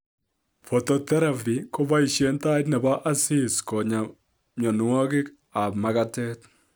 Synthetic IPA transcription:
fo˨tɔ˨t̪ɛ˦ɾa˨vi˨kɔ˦ba˦i˨ʃje˦nta˦ɪ˦t̬nɛ˨ba˦ʔa˦si˦˨skɔ˨ɲa˨ | ɲɔ˨nwɔ˦kɪ˦k | a˨pma˦ka˦tɛ˦t

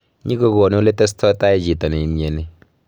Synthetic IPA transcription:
ɲi˦ko˦ɡo˨no˦le˦tɛ˦s̬tʰɔ˦ta˦e˦d͡ʒi˨tɔ˨ni˨m˨e˨ni˨

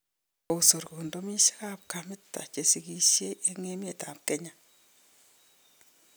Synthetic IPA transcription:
o˨u˨so˨ɾko˨ndo˦mi˦ʃi̥˦ka˦p̚ka˨mɪ˦tːa̰˨t͡ʃe˨si˨ki˨ʃje˦ʔe˦ŋe˦mje˨ta˨p̚kɛ˦ɲa˨

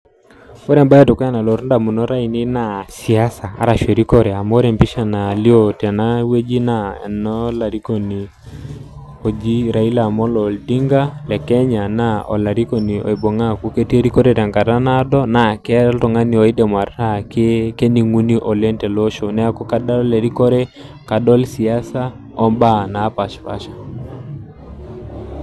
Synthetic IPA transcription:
o˦ɾɛ˨mba˦jɛ˦to˨ka˦na˨lo˨ɾnda˨mu˨no˦ɾa˦i˨ni˦na˦˨si˨a˦sa̰ː˨˦ɾa˨ʃe˨ɾi˦kɔ˦ɾɛ˨a˨mo˦ɾɛ˨mpi˦ʃa˨na˨li˦o˨tɛ˨na˦we˦d͡ʒi˦na˦ɛ̰˨nɔ˦la˨ɾi˦ko˨ni˨ | o˨d͡ʒi˦ɾa˨i˦la˨mɔ˦lɔ˨ldi˦ŋɡa˦lɛ˨kɛ˦ɲa˨na˦ɔ̰˨la˨ɾi˦ko˦ni˨o̰˨i˨bo˨ŋa˦ku˦ke˦ti˦e˦ɾi˦ko˦ɾe˦ɾɛ˨ŋka˨ɾa˦na˦dɔ˦na˨kɛ˦ltɔ˨ŋa˦ni˨ɔ˨i˦de˨ma˨ɾa˦keke˦ni˨ŋu˦ni˦ʔɔ˨le˦ntɛ˨lo˦ʃo˨nɛ˦a˦ku˦ka˦da˦le˨ɾi˦kɔ˦ɾe˦ | ka˨dɔ˦lsi˨a˦sa˦ | ɔ˦mba˦na˨˦pa˨ʃpa̰˦ʃḁ˨

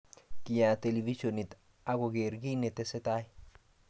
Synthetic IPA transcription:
ki˨ja˨t̪elivi˦ʃonit̪ | a˦ɡoɡeɾɡi˦ne˨t̪ese˦t̪a˦j

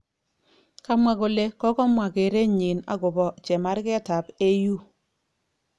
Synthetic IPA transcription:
ka˦mwa˨ko˨le˦kɔ˦kɔ˦mwa˨ke˨ɾe˦ɲɪ˨na̰˦ɡʊ˨bɔ˨t͡ʃɛ˨ma˦ɾkɛ˦ta˨pe˦ju˦

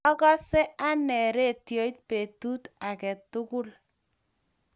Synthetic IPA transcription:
ɔ˦kɔ˦sɛ˦a˦nɛ˨ɾe˦˨tjɔ˨˦i˦t̚pe˨tu˦ta˨kɛ˨tʊ˦kʊ˦l

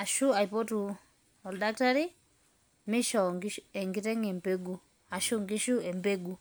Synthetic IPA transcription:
a˨ʃu˦a˨jpɔ˦tu˨ | ɔ˨lda˦k̚ta˦ɾi˦ | mɪ˦ʃɔ˨ŋɡɛ˨ŋɡi˦tɛ˦ŋɛ˨mbe˦ɡu˨ | a˨ʃu˦ŋɡi˦ʃu˦ɛ˨mbe˦ɡu˨

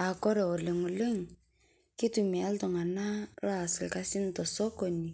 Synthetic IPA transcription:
a˨kɔ˦ɾɛ˨o˨le˨ŋʊ˨le˦ŋ | kɪ˦tu˨mi˨a˦ltɔ˨ŋa˨na˦ɾɔ˦a˨sɪ˨lka˦si˦n˨tɔ˨sɔ˦ko˨ni˨

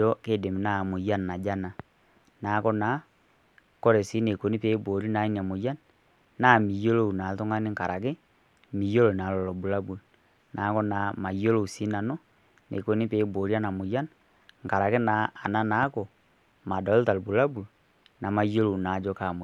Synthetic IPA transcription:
ɔ˦ke˦˨de˨mi˨na˨mo˨ja˦nːa˨d͡ʒa˦na˨ | na˨˦kɔ˦na˨˦ | kɔ˦ɾɛ˨si˦ne˨ko˨ni˦peː˨˦bo˨ɾi˦na˨˦i˦n˨a˨mo˨ja˦n | na˦˨mi˨jo˦lo˦u˨na˨tɔ˦ŋa˦ni˦ŋka˨ɾa˨ke˦ | mi˨jo˦lo˨na˨lɔ˨lɔ˨bu˨la˦bu˨l | na˨˦kɔ˦na˨˦ma˨jo˦lo˦u˨si˦na˨nɔ˦ | nḛ˨ko˨˦ni˦pe˨˦bo˨ɾi˦a˦na˨mo˨ja˦n | ŋka˨ɾa˨ke˦na˨a˨na˦na˨˦kɔ˨ | ma˨dɔ˨˦lta˨lbu˨la˦bu˨l | na˨ma˨jo˦lo˦˨u˨na˨d͡ʒɔ˦ka˨mo˨

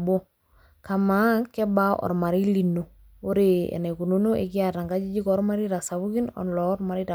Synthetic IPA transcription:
bo˦ | ka˨ma˨˦kɛ˦ba˦ʔɔ̰˨ɾma˨ɾi˦li˨no˨ | o˦ɾe˨ɛ̰˨ne˨ku˨no˦no˦ʔḛ˨kɪ˦a˨ta˨ŋɡa˦d͡ʒi˦d͡ʒi˦kɔ˦ɾma˦ɾi˦ɾa˨sa˨bu˦ki˦nɔ̰˨nlɔ˨˦ɾma˨ɾi˦ta˨

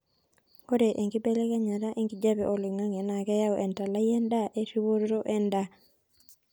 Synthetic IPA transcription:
ko˦ɾe˨ʔe˨ŋɡi˦be˦le˦ka˦ɲa˨ɾa˦ʔe˦ŋɡi˨d͡ʒa˦bɛ˨ʔo˨li˨ŋa˦ŋɛ˨na˨kɛ˦ja˦ɔʔɛ˨nta˨la˦jɛ˦nda˦ʔe˦ti˦wo˦ɾɾo˦ʔɛ˦nda˦

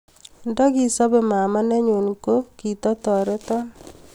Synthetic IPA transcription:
ndɔ˦ki˨sɔ˦be˨ma˨ma˦ne˦ɲu˨nko˦ki˨tɔ˦tɔ˨ɾe˦tɔ˦

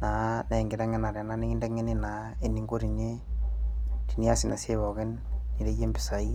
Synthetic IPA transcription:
na˨˦nɛ˨ŋɡɪ˨ɾa˦ŋɛ˦na˨ɾɛ˨na˦ni˦ki˦ndɛ˦ŋɛ˦ni˦na˨ | e˨ni˨˦ŋɡo˦ɾi˨ɲe˦ | ti˨ni˦a˦sɪ˨na˨se˦βɔ˨kɛ˦nːi˨ɾe˦je˦mbɪ˨sa˨i˦

